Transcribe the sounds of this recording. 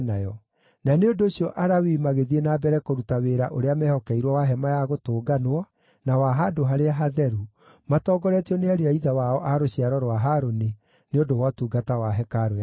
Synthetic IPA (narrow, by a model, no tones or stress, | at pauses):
najɔ | naneondoːɕiɔʔaɾawimaɣeðienaːbɛɾɛkoɾutaweːɾaʔoɾeamɛhɔkɛiɾwɔwaɦɛmajaɣotoːɡanwɔ | nawaɦadoɦaɾeaɦaðɛɾu | matɔːɡɔɾɛtiɔneaɾeaiðawaɔʔaɾoɕiaɾɔɾowaɦaɾone | neondowatuɡatawaɦɛkaɾoj